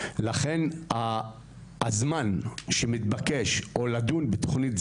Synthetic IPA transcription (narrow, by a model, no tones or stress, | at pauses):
laχe̞na | zmanʃemit̪̚bakeʃʔo̞ladunbet̪o̥χnit